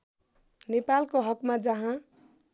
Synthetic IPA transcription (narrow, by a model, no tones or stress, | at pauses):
nepalkoɦʌkmad͡ʒʌɦã